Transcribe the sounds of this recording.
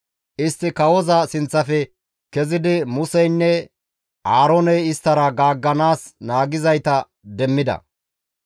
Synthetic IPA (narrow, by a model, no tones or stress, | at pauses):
ʔɪst̪ːɪkɐwɔzɐsɪnt͡sːɐfɛ | kɛzɪd̪ɪmʊsɛjnːɛ | ʔaːɾonɛjɪst̪ːɐɾɐɡaːɡːɐnaːsnaːɡɪzɐjt̪ɐ | d̪ɛmːɪd̪ɐ̰